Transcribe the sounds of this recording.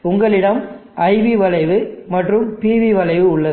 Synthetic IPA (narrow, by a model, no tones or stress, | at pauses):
ʊŋɡɐɭɪɽɐmʔɐɪʋiʋɐlɐɪʋɯmɐʈrɯmpiːʋiʋɐlɐɪʋɯʊɭːɐ